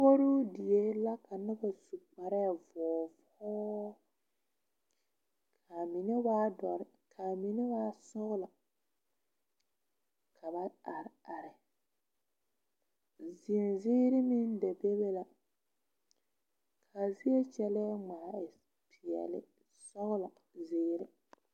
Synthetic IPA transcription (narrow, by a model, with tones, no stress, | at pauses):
bo˦ɾu˦di˨je˦la˦ka˨nɪ˦ba˨su˨k͡pa˨ɾɛ˦˨vɔː˨v | ɔː˦ | kʰa˨mi˨ne˦ba˦dɔ˨ɾ | kʰa˨mi˨ne˦ba˦sɔ˦ɣla˨ | kʰa˨ba˦a˨ɾa˨ɾɪ˨ | zi˨nziː˦ɾɪ˦mi˦n˦dɛ˨be˦be˦la˨ | kʰa˨vi˦e˦t͡ʃɛ˦lɛ˦ŋ͡ma˨ɪ˨ | pʰi˨ɛ̰˨lɪ̰˦ | sɔ˦ɣla˨ | zeː˦ɾɪ˦